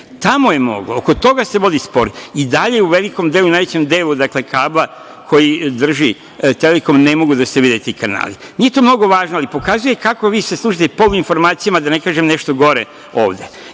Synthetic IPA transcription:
t̪amo̞jemo̞̰ɡlooko̞t̪o̞ɡase̞ʋo̞d̪ispo̞ɾiid̪aʎeuʋe̞liko̞md̪e̞lˠunaːjʋet͡ɕe̞md̪e̞ːlud̪akle̞kʰaːblˠa | kʰo̞jid̪r̩ʒi | t̪e̞leko̞mne̞mo̞ɡud̪aseʋid̪it̪eikana̰ːlimnije̞t̪oːmno̞ɡo̞ʋaːʒnoalipo̞kazuje̞kako̞ʋiːseslˠuʃit̪epo̞luinfo̞ɾmaːt̪sijamad̪ane̞kaːʒemne̞ʃt̪o̞ɡo̞ɾe | o̞̰ːʋd̪e̞

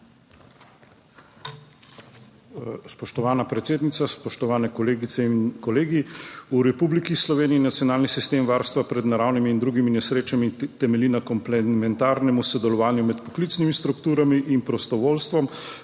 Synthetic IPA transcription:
spɔʃt̪ɔʋaːnapɾɛt̪sʲeːd̪nit̪saspɔʃt̪ɔʋaːnɛkɔleːɡit̪sɛinkɔleːɡiuɾɛpublikislɔʋeːniinat̪sjɔnaːlnisist̪eːmʋaːɾst̪ʋapɾɛd̪naɾaːwnimiːnd̪ɾuɡiminɛsɾeːt͡ʃamit̪ɛmɛlinakɔmplɛmɛnt̪aːɾnɛmusɔd̪ɛlɔʋaːnjumɛt̪pɔ̥klit̪snimist̪ɾukt̪uːɾamiʔinpɾɔst̪ɔʋoːlst̪ʋɔm

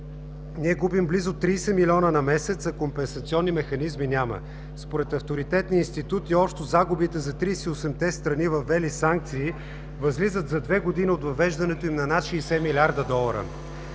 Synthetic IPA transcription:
niɛɡubimblizʊt̪ɾiːsɛmilʲiɔnənɐmɛsɛt̪səkompɛnsɐt̪siɔnːimɛxɐnizminʲamə̰ | spoɾɛt̪ɐft̪oɾit̪ɛt̪niəinst̪it̪ut̪iɔpʃt̪ozaɡʊbit̪ɛzɐt̪ɾisɛiosɛmt̪ɛst̪ɾɐnivɐfɛlisaŋk̚t̪siː | vɐzlizət̪zɐd̪vɛɡod̪iniot̪vɐvɛʒd̪ɐnɛt̪oimnɐnat̪ʃɛːsɛmilʲaɾd̪əd̪ɔlˠɐɾə̰

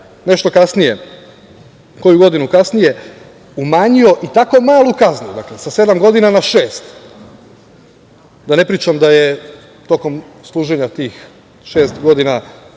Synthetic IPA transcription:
ne̞ʃt̪o̞kasnije | ko̞juɡo̞d̪inukasnije̞ | umaːɲio̞ʔit̪ako̞maːlˠukaznud̪aklesase̞d̪amɡo̞d̪inanaʃeːst̪ | d̪ane̞pɾiːt͡ʃamd̪aje | t̪o̞ko̞m | slˠuːʒe̞ɲat̪iːx | ʃe̞ːst̪ɡo̞d̪ina

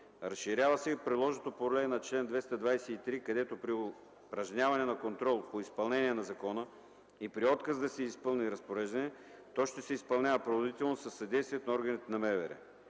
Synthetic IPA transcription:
ɾɐsʃiɾʲjavəsɛpɾid̪lˠɔʒnot̪opolɛnɐt͡ʃlɛnd̪vɛst̪ɐd̪vajsɛit̪ɾikɐd̪ɛt̪opɾio | pɾɐʒnʲavɐnɛnɐkont̪ɾɔlˠpoispɐlˠnɛniɛnɐzɐkɔnə | ipɾiɔt̪kəzd̪ɐsɛispɤlˠniɾɐspoɾɛʒd̪ɐnɛ | t̪ɔʃt̪ɛsɛispɐlˠnʲavəpɾovod̪it̪ɛlˠnosɐsːɐd̪ɛjst̪vʲiɛt̪onɔɾɡɐnit̪nɐmɛvɛ̰ɾɛ̰

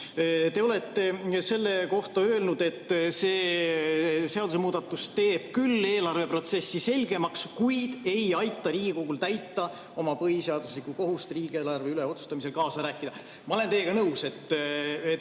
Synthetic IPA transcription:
t̪e̞o̞le̞t̪ːˑe̞se̞lːe̞ko̞ht̪ɑø̞ːlnud̪̥e̞t̪ːˑse̞ː | se̞ɑd̪use̞muːd̪ɑt̪ːˑust̪e̞ːb̥kylːe̞ːlɑrve̞pro̞t̪se̞sːise̞lʲɡ̥e̞mɑkskujd̪̥e̞jɑjt̪ːˑɑɾiːɡ̥iko̞ɡ̥ult̪æjt̪ːˑɑ | o̞mɑpɤɦiseɑd̪̥uslikːuko̞ɦust̪riːɡ̥ieːlɑrve̞yle̞o̞t̪su̥st̪ɑmise̞lkɑːsɑɾæːkːˑid̪̥ɑ | mɑo̞le̞nt̪e̞jeɡ̥ɑnɤwse̞t̪ːe

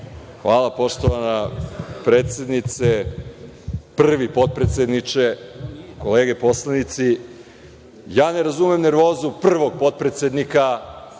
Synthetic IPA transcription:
xʋaːlˠapo̞ʂt̪oʋanapɾeːt̪sʲje̞d̪nit̪se | pr̩ʋipo̞t̪̚pɾet̪sʲjed̪nit͡ʃeko̞leːɡe̞po̞slˠanit̪si | jaːne̞ɾazumemneɾʋo̞ːzupr̩ʋo̞ɡ̚po̞t̪̚pɾet̪sʲjed̪nika

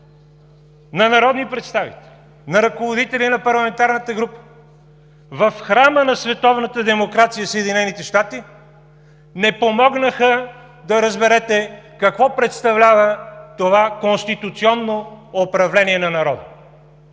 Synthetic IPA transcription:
nɐnɐɾɔd̪nipɾɛt̪st̪avḭt̪ɛ̥li | nɐɾɐkovod̪it̪ɛlinɐpɐɾlˠɐmɛnt̪aɾnət̪əɡɾupə̥ | vɐfxɾamənɐsvɛt̪ɔvnət̪əd̪ɛmokɾat̪sijəsɛːd̪inɛnit̪ɛʃt̪at̪i | nɛpomɔɡnəxə | d̪ɐɾəzbɛɾɛt̪ɛkɐkvɔpɾɛt̪st̪ɐvlʲavət̪ovakonst̪it̪ut̪siɔnːoopɾɐvlɛniɛnɐnɐɾɔd̪ə̰

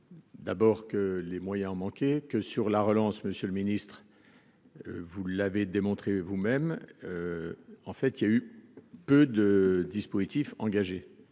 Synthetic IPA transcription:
d̪abɔːʁkəlemwajɛ̃ɔ̃mɑ̃kʲekəsyʁlaʁəlɑ̃sməsjølminist̪χ | vulaved̪emɔ̃t̪χevumɛm | ɑ̃fɛt̪iljaypød̪əd̪ispozit̪ifɑ̃ɡaʒe

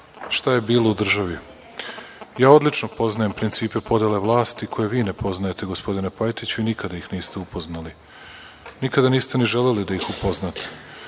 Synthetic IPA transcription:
ʃt̪aje̞biːlˠoud̪r̩ʒaʋi | jaːo̞d̪lit͡ʃnopo̞znajempɾint̪siːpe̞po̞d̪eleʋlˠaːst̪ikʰo̞je̞ʋiːne̞pʰo̞znajet̪e̞ɡospo̞d̪inepojt̪it͡ɕuinikad̪ajixniːst̪eupo̞znali | nikad̪aniːst̪e̞niʒe̞le̞lid̪ajixupo̞znat̪e̥

